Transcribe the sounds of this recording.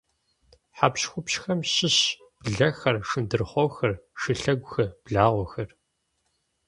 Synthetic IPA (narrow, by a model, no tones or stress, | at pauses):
ħapɕxʷʊpɕxɐmɕɪɕ | b̥ɮɐxɐrʂɨndɨrχʷɔwxɐrʂɨɬɐɡʷʊxɐb̥ɮaːʁʷɔxɐr